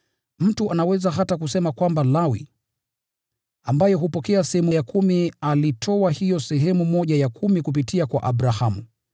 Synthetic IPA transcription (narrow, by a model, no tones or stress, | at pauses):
m̩tuʔanawɛzaɦatakusɛmakwambalawḭ | ambajɛɦupɔkɛasɛhɛmujakʰumialitʰɔwahijɔsɛɦɛmumɔʄajakʰumikup̬itiakwa̰ʔaɓɾahamu